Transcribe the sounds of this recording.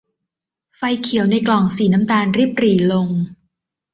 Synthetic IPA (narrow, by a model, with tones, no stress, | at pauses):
fa˧jkʰi˨˩˦wna˧jklɔ˨˩ŋsiː˩˦na˦˥mt̪aː˧nɾi˦˥˩p̚ɾiː˩˦lo˧ŋ